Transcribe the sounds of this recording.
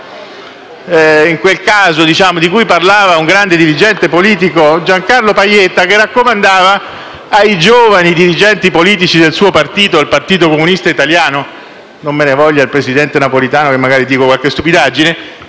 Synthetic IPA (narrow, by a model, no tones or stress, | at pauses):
iŋkwelkaːzod̪it͡ʃaːmod̪ikujparlaːvauŋɡɾand̪ed̪iɾid͡ʒɛnt̪epoliːt̪̬ikod͡ʒaŋkarlopajːet̪ːakerːakːomand̪aːvaː | jd͡ʒoːvanid̪iɾid͡ʒɛnt̪ipoliːt̪it͡ʃid̪elsuːopart̪iːt̪oalpart̪iːt̪̬okomunist̪ait̪aljaːno | nomːenevɔʎːailpɾesid̪ɛnt̪enapolit̪aːnokemːaɡaːɾid̪iːkokwalkest̪upid̪ad͡ʒine